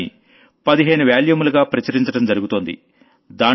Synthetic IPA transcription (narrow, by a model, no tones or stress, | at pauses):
ḭ | pɐd̪iɦeːnuʋjaːljumuluɡaːpɾɐt͡ʃɐɾiɲt͡ʃɐɽɐmd͡ʒɐɾuɡut̪o̞ːnd̪ḭ | d̪aː